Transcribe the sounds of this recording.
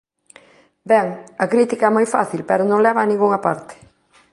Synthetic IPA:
bɛŋɐkɾit̪ikɐɛmojfa̰θilpɛɾʊnõŋlɛβɐːnĩŋɡuŋɐpaɾt̪ɪ̥

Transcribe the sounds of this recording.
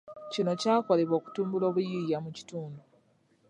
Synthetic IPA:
cino̞caːko̞le̞βo̞ːku̥tuːmbulo̞ːβujijamuci̥tuːndu

